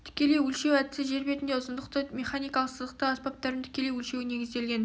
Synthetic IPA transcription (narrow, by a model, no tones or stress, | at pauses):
t̪ʰɪ̥kʲe̞le̞jwɵlʃewæt̪ɪ̥sɪʒe̞ɾbe̞t̪ɪnd̪e̞ʊsənd̪əq̚t̪əme̞χanijkɑlˠəqsəzəq̚t̪əɑspɑp̚t̪ɑɾənt̪ʰɪ̥kʲe̞le̞jwɵlʃe̞wɪne̞ɡʲɪzd̪e̞lɡʲe̞n